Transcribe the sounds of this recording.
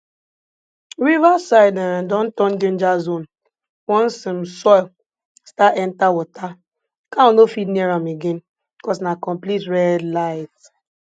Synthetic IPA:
ɾivasaɪdandɔ̃n̩tɔn̩dẽnd͡ʒazon̩ | wɔ̃n̩sɪm̩sɔɪ | staʔɛn̩tawɔta | kaonofitnieɾameɡen̩ | bikɔsnakɔ̃mplitɾɛdlaɪt

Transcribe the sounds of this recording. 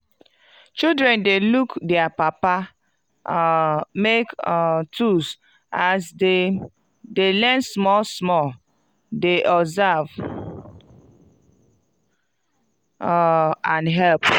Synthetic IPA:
t͡ʃildɾɛ̃ndelukdɛapapa | mektʰus | asde | delɛnsmɔlsmɔl | deʔɔzav | ãnɦɛlp

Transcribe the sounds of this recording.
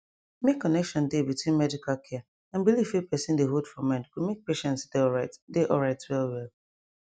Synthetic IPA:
mekːɔnɛkʃɔ̃ndebitwĩnmɛdikalkʰɛ | ãnbilivipɛsĩndeɦodfɔ̃mɛ̃ndkumek̚peʃɛ̃ntsdeɔɹaɪtdeʔɔlɹaɪtwɛlwɛlˠ

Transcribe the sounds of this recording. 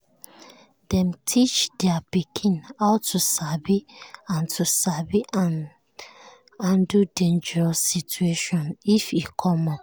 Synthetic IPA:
dɛ̃mtʰit͡ʃdɛapikʰĩnaʊtʰusabiãntʰusabi | ãndudẽnd͡ʒɛɹɔsːitueʃɔ̃nifikʰɔmɔ

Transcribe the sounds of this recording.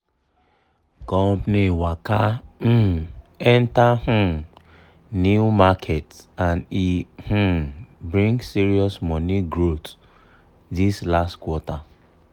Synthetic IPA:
kɔ̃mpniwakam̩ɛntah̩m | njuumakʰetãnih̩bɾĩŋɡsiɾiɔsmɔniɡɾot | dislastkwɔta

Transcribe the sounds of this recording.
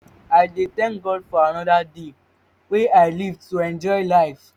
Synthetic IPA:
ajdetɛ̃nɡɔdfɔanɔdade | weaɪlivdtuɛ̃nd͡ʒɔjlaɪf

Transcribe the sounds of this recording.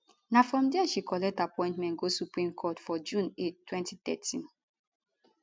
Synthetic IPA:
nafɹɔ̃mdɛʃikʰɔlɛk̚tapɔ̃ɪ̃ntmɛ̃nɡosupɹĩmkʰɔtfɔd͡ʒũnettʰːwɛ̃ntiθɛtʰĩn

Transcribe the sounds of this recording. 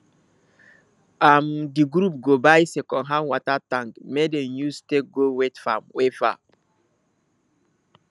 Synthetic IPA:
amdiɡɾup̚ɡobajsɛkɔ̃nɦãnwɔtatãŋkmedenustek̚ɡowetfa̰mwefa̰

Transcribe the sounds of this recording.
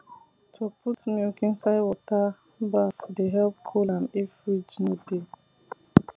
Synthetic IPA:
tʰopʰutmilkĩnsaɪwɔta | bafdeɦɛlp̚kʰolãmefɹid͡ʒnode

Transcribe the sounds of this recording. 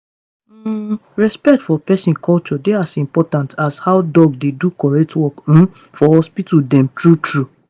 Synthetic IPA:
ɹɛspɛk̚tfɔpɛsĩnkʰɔlt͡ʃɔdeasĩmpɔtãntʰashaʊdɔɡdedukɔɹɛk̚twɔk̩fɔhɔspitudɛ̃mtɹutʰɹu

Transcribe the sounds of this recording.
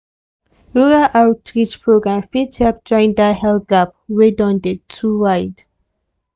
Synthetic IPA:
uɹaʔawtɹit͡ʃpʰɹoɡɹãmfidhɛlp̚d͡ʒɔ̃j̃ndahɛlɡap̚wedɔ̃ndetʰːuwajd

